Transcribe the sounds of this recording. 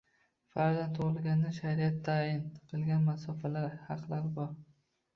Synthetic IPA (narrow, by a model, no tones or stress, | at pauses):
faɾd̪ant̪ʰoʁɨlˠɡʲand̪aʃaɾiat̪ʰːaɪnqʰɨlˠɡʲanmasɒfalaɾhɑqlaɾbɒɾ